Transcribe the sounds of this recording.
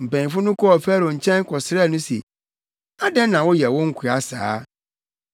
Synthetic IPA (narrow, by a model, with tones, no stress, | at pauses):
m̩˨pæ̃˨ɲ̃˨fʊ̃˦nʊ̃˦kʰɔ˦ɔ˨fæ˦ɾo˨ɲ̩˨t͡ɕʰɛ̃˦n˦kʰɔ˨sɪ˨ɾɛ˦˨nʊ̃˦sḛ˨ | a˦dɛ̃˦nnã˨wɔ˦jɛ˨wɔ̃˦ŋ̩˦kʰu˨a˨sa̰ː˨˦